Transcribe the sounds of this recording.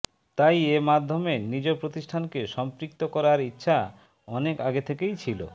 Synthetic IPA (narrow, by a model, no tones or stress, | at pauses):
t̪ajemad̪ʱːomenid͡ʑopɾot̪iʃʈʰankeʃɔmpɾik̚t̪okɔɾaɾitːɕʰa | ɔnekaɡet̪ʰekejt͡ɕʰilo̰